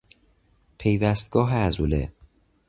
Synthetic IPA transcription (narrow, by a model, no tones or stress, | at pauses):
pʰe̞jvæst̪̚ɡ̥ɒːɦeæzuːlḛ